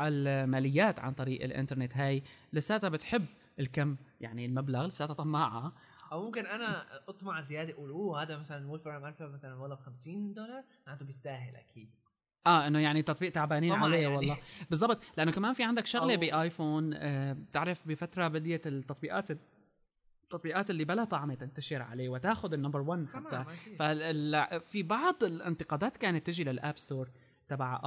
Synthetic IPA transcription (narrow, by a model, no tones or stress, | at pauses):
almaːlɪjːaːt̪ʕa̰nt̪ˤɑɾiːʔɪ̰lʔɪ̰nt̪ɑɾˤnet̪ɦaːjlɪsːaːt̪abɪt̪ħɪbː | ɪlkamːjaʕnilmablaɣlɪsːaːt̪at̪ˤɑmːaʕa | ʔawmʊmkɪnʔanaʔɑt̪ˤmɑʕzɪjaːd̪eʔuːluːhaːd̪amasalanwoːlfɪɾˤmaɾˤfamasalanwɑlˤːɑbxamsiːnd̪olɑɾˤ | ʕɪnd̪ubɪst̪aːɦɪlʔa̰kʰiːd̪̚ | ʔaːʔɪnːojaʕnit̪ːɑt̪ˤbiːʔt̪aʕbaːniːʕalejawɑlˤːɑːbɨzˤːɑbt̪ˤlɪʔanːokamaːnfiʕand̪akʃʊɣlebiʔaːjfoːnːt̪ɪʕɾɪfbɪfat̪ɾˤɑbɪd̪jat̪ːɑt̪ˤbiːʔa̰ːt̪ | t̪ːɑt̪ˤbiːʔaːt̪ɪlːibalat̪ˤɑʕmet̪ɪnt̪aʃɪɾʕa̰leːwɪt̪aːxʊd̪ɪnːambəɾˤwanːħaafaɪlfibɑʕd̪ˤɪlʔɪ̰nt̪ɪqɑːd̪aːt̪kaːnat̪ːɪʒilalʔaːbst̪oːɾˤ | t̪abaʕʔ